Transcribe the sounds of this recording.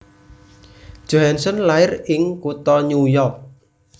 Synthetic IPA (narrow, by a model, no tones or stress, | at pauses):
ʒ̥oɦansɔnlaɪrɪŋkut̪ɔɲujɔrk̚